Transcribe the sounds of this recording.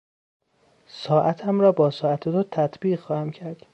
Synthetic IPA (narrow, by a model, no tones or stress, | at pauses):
sɒːʔæt̪ʰæmɾɒːbɒːsɒːæt̪ʰet̪ot̪ʰæt̪ʰbiːɣxɒːhæmcʰæɾd̪̥